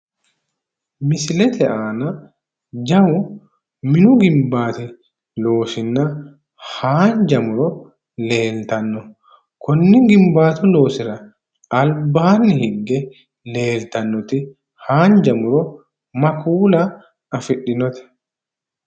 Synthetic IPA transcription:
mɪsɪlɛt̪ʰɛʔaːnɐ | d͡ʒɐwʊ | mɪnʊɡɪmbaːt̪ɪ | lo̞ːsɪnːɐ | haːnd͡ʒɐmʊɾɔ | le̞ːlt̪ɐnːɔ | kʰɔnːɪɡɪmbaːt̪ʊlo̞ːsɪɾɐ | ɐlbaːnːɪhɪŋɡɛ | leːlt̪ɐnːɔt̪ɪ | haːnd͡ʒɐmʊɾɔ | mɐkʰuːlɐː | fɪɗːɪnɔt̪ɛ̥

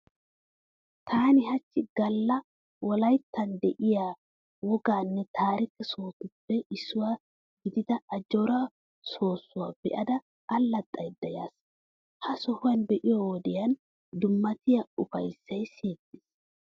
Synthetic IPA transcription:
t̪ʰaːnɪɦɐt͡ʃːɪɡ̥ɐlːɐ | wɔlɐjt̪ːɐnd̪ɛʔɪjaː | wɔɡaːnːɛt̪ʰaːɾɪkːɛso̞ːt̪ʊpːɛɪsːʊwaː | ɡɪd̪ɪd̪ɐɐd͡ʒɔɾɐ | so̞ːsːʊwaːb̥ɛ̰ʔɐd̪ɐː | lːɐt̪ʼːɐjd̪ːɐja̰ːs | hɐsɔhʊwɐnbɛʔɪjɔwɔd̪ɪjɐn | d̪ʊmːɐt̪ɪjaʊfɐjsːɐjseːkːɪs

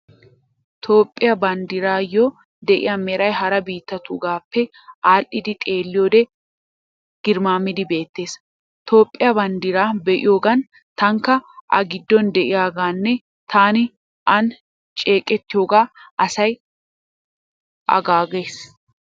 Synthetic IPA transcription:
t̪ʰo̞ːpʼːɪjɐbɐnd̪ɪɾaːjɔ | d̪ɛʔɪ̰jamɛɾɐjɦɐɾɐbiːt̪ːɐt̪uɡaːpːɛ | ʔaːlʔɪd̪ɪt̪ʼe̞ːlːɪjoːd̪ɛ | ɡ̥ɪɾmaːmɪd̪ɪbe̞ːt̪ːe̞ːs | t̪o̞ːpʼːɪjɐbɐnd̪ɪɾaːbɛʔɪ̰jo̞ːɡɐn | t̪ɐŋkːɐʔɐ̰ɡɪd̪ːɔnd̪ɛʔɪjaːɡaːnːɛ | t̪aːnɪ | ʔɐn | t͡ʃʼe̞ːkʼːɛt̪ːɪjo̞ːɡaːʔɐsɐj | ʔɐ̰ɡaːɡeːs

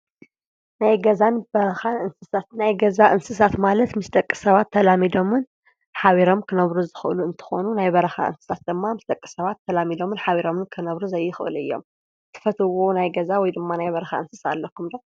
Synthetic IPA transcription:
najɡɐzanbɐɾɐxanɨnsɨsat̪najɡɐzaʔɨnsɨsat̪malɐt̪mɨst̪ʼɐkʼːɨsɐβat̪ʰːɐlamid̪o̞mɨn | ħaβiɾo̞mkʰɨnɐβɾuzɨxʔɨ̰luɨnt̪ʰɨ̥xo̞nunajbɐɾɐxa̰ʔɨ̰nsɨ̥sat̪̚d̪ɨmːamɨst̪ʼɐkʼːɨ̥sɐβat̪ʰːɐlamid̪o̞mɨnħaβiɾo̞mɨnkʰɨnɐβɾuzɐjːɨxɨʔɨ̰lʔɨ̰jːo̞̰m | t̪ʰɨ̥fɐt̪ʰɨwo̞najɡɐzawɔjd̪ɨmːanajβɐɾɐxa̰ɨnsɨsa̰lːɐkːumd̪o

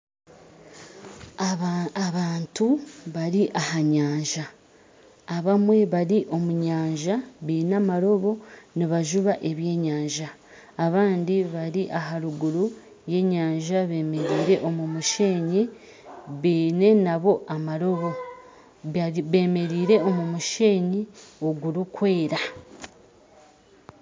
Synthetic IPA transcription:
aβaːntuβaɾiʔahaɲaːɲʒaː | βamwe̞βaɾiʔo̞muɲaːɲʒaβiːnamaɾo̞βo̞niβaʒuβaʔe̞βje̞ːɲaːɲʒaː | βaːndiβaɾiʔaɦaɾuɡuɾu | je̞ːɲaːɲʒaβe̞ːme̞ɾiːɾe̞ʔo̞mumuʃe̞ːɲi | βiːne̞naβo̞ʔamaɾo̞βo̞ | βeːme̞ɾiːɾe̞o̞mumuʃe̞ːɲio̞ɡuɾukwe̞ːɾa

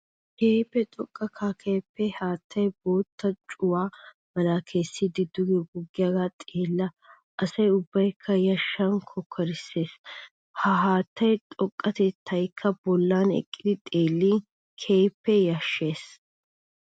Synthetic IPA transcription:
keːpːɛt̪ʼɔkʼːɐkʰakʰe̞ːpːɛhaːt̪ːɐjbo̞ːt̪ːɐt͡ʃʼʊwaː | mɐlaːkʰe̞ːsːɪd̪ɪd̪ʊɡɛɡʊɡːɪjaːɡat̪ʼeːlːɐ | ʔɐsɐjʊbːɐjkʰːɐjɐʃːɐnkʰɔkʰːɐɾɪsːe̞ːs | hɐɦaːt̪ːɐjt̪ʼɔkʼːɐt̪ɛt̪ʰːɐjkʰːɐbɔlːanɛ̰kʼːɪd̪ɪt̪ʼeːlːi | kʰe̞ːpːɛjɐʃːe̞ːs

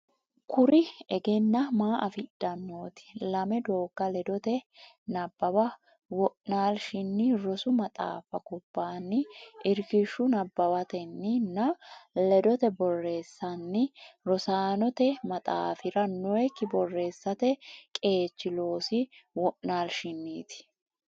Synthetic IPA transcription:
kʊɾɪɛɡɛnːɐmaːʔɐfɪd̪̥ɐnːo̞ːt̪ɪ̥lɐmɛd̪o̞ːɡːɐlɛd̪ɔt̪ɛ | nɐbːɐbɐ | wɔʔnaːlʃɪnːɪɾɔsʊmɐt̪ʼa̰ːfɐkɔbːaːnːɪʔɪɾkɪʃːʊnɐbːɐbɐt̪ɛnːɪnːɐlɛd̪ɔt̪ɛbɔrːe̞ːsːɐnːɪɾɔsaːnɔt̪ɛmɐt̪ʼa̰ːfɪɾɐnːɔɛkːɪbɔrːe̞ːsːɐt̪ɛkʼe̞ːt͡ʃːɪlo̞ːsɪwɔʔnaːlʃɪnːiːt̪ɪ̥

